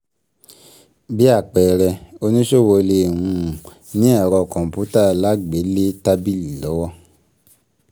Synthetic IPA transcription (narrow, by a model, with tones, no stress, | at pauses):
bi˦a˦˨k͡pɛ˨ɾɛ˧o˧nĩ˦ʃo˦˨wo˧le˧˨ũ˧˨ | nĩ˦a˦˨ɾɔ˧˨kɔ̃˨m˨pu˦ta˦˨la˨˦ɡ͡be˨˦le˦ta˧bi˦˨li˨lɔ˨˦wɔ˦